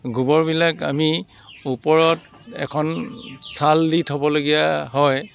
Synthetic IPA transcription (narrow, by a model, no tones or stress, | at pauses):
ɡʱubɔɹbilaka̰mi | upɔɹɔt | ɛ̰kʰɔnsʰalditʰɦɔbɔloɡijaɦɔj